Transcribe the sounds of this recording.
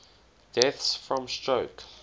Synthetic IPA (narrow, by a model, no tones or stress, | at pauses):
d̥ɛθsfɹɔ̃mstɹoʊk